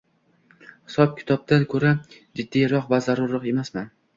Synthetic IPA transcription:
hɪ̥sɒp̚kʲʰɪ̥t̪ʰɒb̚d̪ankʰɵɾa | d͡ʒɪd̪ːijɾɒqvazaɾʊɾɨqe̞masman

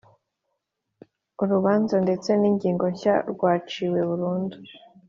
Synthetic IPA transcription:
uɾuβaːnzande̞t͡se̞niːɲɟiːŋɡo̞ɲça̰ɾɡwaːt͡ʃiwe̞βuɾuːndu

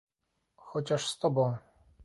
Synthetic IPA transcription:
xɔt͡ɕaʂst̪ɔbɔ̃w̃

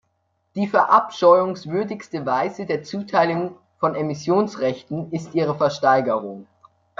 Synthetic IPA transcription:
d̥iːfɛɐʔapʃɔʏʊŋsv̥ʏɐdɪçstəvaɪzədeːɐt͡suːtʰaɪlʊŋ | fɔnemɪsjoːnsʁɛçtn̩ɪstʔiːʁ̞əfɛɐʃtaɪɡəʁʊŋ

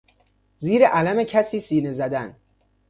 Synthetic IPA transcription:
ziːɾeʔælæmecʰæsiːsiːnezæd̪æn

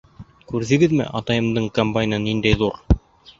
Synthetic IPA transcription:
kʉɾðɘ̆ɡɘðmɘ̰ʔɑt̪ɑjɤ̆md̪ɤɴkɐmbajʲnɤnind̪æjðuɾ

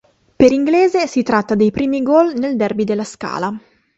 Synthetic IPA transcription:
peɾiŋɡleːzesit̪ɾat̪ːad̪ejpɾiːmiɡɔlneld̪ɛrbid̪elːaska̰ːla

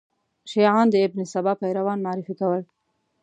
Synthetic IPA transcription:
ʃiʕɑnd̪əɪbnɪsabɑpajɾawɑnmɑːɾifikawəl

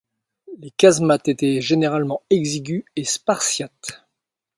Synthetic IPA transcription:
lekazmat̪et̪ɛʒeneʁalmɑ̃ɛɡziɡʲyespaʁsjat̪

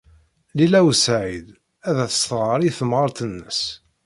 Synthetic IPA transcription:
lilæwsʕid̪ | æðæθə̥st̪ʁəɾˤiθəmʁəɾˤt̪ənːəs

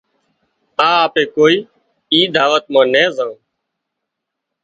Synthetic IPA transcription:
ãːaːpeːkoːiː | iːd̪aːʋət̪̚mãːnɛ̃ːzãː

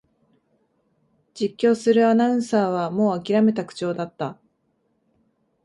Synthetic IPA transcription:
d͡ʑikʲːo̞ːsɨɾɯ̟anaɯ̟̃ɰ̃saːβ̞amo̞ːakʲiɾame̞t̪akɯ̟̥t͡ɕo̞ːd̪at̪ːa

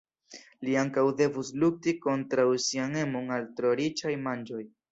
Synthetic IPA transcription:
liaŋkawde̞vusluk̚tiko̞ntɾawsiane̞mo̞ŋaltɾo̞ɾit͡ʃajmand͡ʒo̞j

